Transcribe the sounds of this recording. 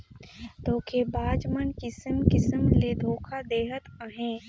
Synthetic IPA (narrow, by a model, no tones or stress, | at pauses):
t̪oːkʰebaːd͡ʒmənkɪsəmkɪsəmled̪ʱoːkʰad̪eːɦət̪aɦɛ̃ː